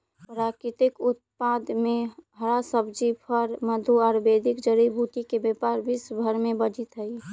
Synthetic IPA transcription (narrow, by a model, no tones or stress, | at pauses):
pɾakɪt̪ɪkʊt̪̚pad̪mẽɦəɾasəbd͡ʒipʰəɾməd̪ʱuɔɾbeːd̪ɪkd͡ʒəɾibʱuʈ̪ikebepaɾbisbʱəɾmẽbəd͡ʒɪt̪ɦəi